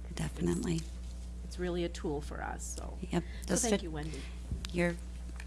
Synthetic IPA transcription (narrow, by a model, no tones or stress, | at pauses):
d̥ɛfɨnəʔli | ɨtsɹɪlˠiɨtʰulˠfə̰˞ʌ̰so̰ʊjɛp | d͡ʒʌsjɨwɛ̃ndi | jə˞